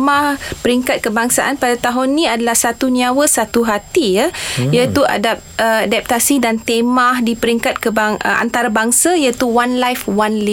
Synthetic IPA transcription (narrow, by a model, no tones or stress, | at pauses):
mahpəɾiŋkat̪̚kəbaŋsaʔanpadat̪aɦʊnːĩadalahsat̪uniawəsat̪uɦat̪ijajat̪ua̰dap̚əadap̚t̪asidant̪emahdipəɾiŋkat̪̚kəbaŋə̰a̰nt̪aɾabaŋsajat̪uwanlajfwanli